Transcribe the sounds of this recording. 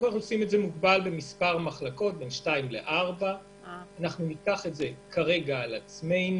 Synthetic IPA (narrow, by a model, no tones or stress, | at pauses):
aχuosimetze̞muɡbalbe̞mispaʁmaχlako̞t̚be̞nʃtaimlḛʔaʁba | anaχnunikaχe̞tze̞kʰaʁe̞ɡaːlat͡sme̞jn